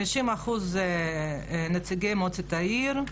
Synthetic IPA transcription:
iʃimaχuz | nat͡siɡemot͡set̪aiɾ

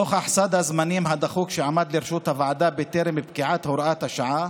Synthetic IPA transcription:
oχʔaħsad̪hazmanimɦad̪aχuːkʃeʕamad̪leɾʃuːt̪havaʕad̪abet̪eɾemibkiʕat̪hoɾʔat̪haʃaʕa

